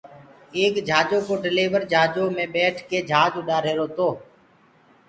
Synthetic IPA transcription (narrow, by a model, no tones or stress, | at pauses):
eːkd͡ʒʱaːd͡ʒoːkoːɖɪleːʋəɾd͡ʒʱaːd͡ʒoːmẽːɓɛːʈʰkeːd͡ʒʱaːd͡ʒʊɗaːɾeːɾoːt̪oː